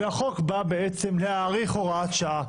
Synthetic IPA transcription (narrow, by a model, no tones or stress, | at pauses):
aχokbabeet͡semleaːʁiχoʁaat̪ʃaʔa